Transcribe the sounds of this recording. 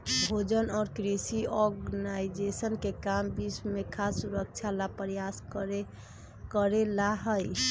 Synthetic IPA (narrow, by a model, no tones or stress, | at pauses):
bʱod͡ʒənɔːɾkɾisiɔɾɡnajd͡ʒesənkekambismekʰassuɾək̚t͡ʃʰalapɾjas | kəɾelaɦəj